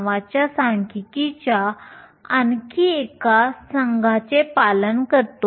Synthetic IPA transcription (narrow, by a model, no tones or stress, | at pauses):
ʋat͡ɕjasãŋkikit͡ɕja | ənkiekasəŋɡʱat͡sepalənkəɾt̪o